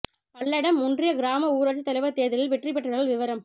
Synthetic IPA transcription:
pɐɭːɐɽɐmːʊndrɪjɐɡɪɾaːmɐuːɾɐt͡ʃːɯt̪ːɐlɐɪʋɐt̪ːeːðɪlɪlʋɪʈːrɪp̬ːɛʈːɐɽɐɣɐlʋɪʋɐɾɐm

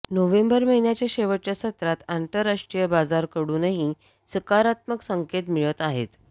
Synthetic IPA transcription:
noʋembəɾməɦinjat͡ɕjaɕeʋəʈ̚t͡ɕjasət̪ɾat̪ant̪əɾːaʂʈɾijəbad͡zaɾkəɽuːnəɦi | səkaɾat̪məksəŋket̪miɭət̪aɦet̪

